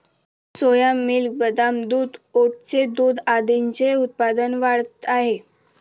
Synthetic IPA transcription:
sojamːilk̚bəd̪amd̪uːd̪oʈt͡sed̪uːd̪ad̪iɲt͡seut̪̚pad̪ənʋaɽət̪aɦe

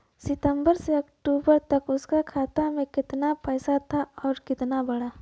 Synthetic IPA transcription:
sɪt̪ə̃mbəɾseɐkʈuːbəɾt̪ɐkʊskakʰaːt̪amẽkɪt̪napɛːsat̪ʰaɔːɾkɪt̪nabɐɽaː

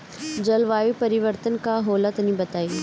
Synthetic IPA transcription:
d͡ʑɐlʋaːjupɐɾɪʋəɾt̪ənkaɦoːlət̪nĩbɐt̪aːiː

